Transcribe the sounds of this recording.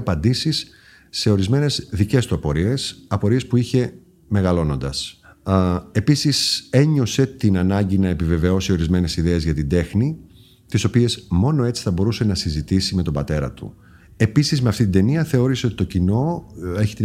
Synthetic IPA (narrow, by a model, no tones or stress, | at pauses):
ɐpɐnd̪isisː | e̞o̞ɾizme̞ne̞zðice̞st̪uɐpo̞ɾie̞sɐpo̞ɾie̞spuiçe̞ | me̞ɣɐlo̞no̞nd̪ɐs | e̞pisise̞ɲo̞se̞t̪inɐnɐɲɟinɐe̞pive̞ve̞o̞sio̞ɾizme̞ne̞siðe̞ːzʝɐt̪ind̪e̞xni | t̪iso̞pie̞zmo̞no̞e̞t͡si̥θɐbo̞ɾuse̞nɐsizit̪isime̞t̪o̞bɐt̪e̞ɾɐ̰t̪ṵ | e̞pisizmeɐft̪it̪ind̪e̞niɐθe̞o̞ɾiseo̞t̪it̪o̞cino̞e̞çi̥t̪i